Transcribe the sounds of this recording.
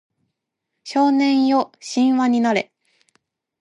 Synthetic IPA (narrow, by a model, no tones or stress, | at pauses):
ɕo̞ːnẽ̞ɰ̃jo̞ɕĩɰ̃βaɲ̟inaɾe̞̰